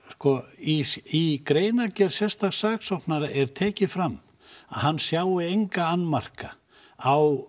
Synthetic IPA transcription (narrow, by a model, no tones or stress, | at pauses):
skɔiikɾeːjnacɛɾ̥sɛst̪aɣsaːksɔt̪naɾaʔɛɾ̥t̪ʰɛːcɪfɾamː | a̰ðhanːsjaːwɪejŋkaanːmar̥ka | aw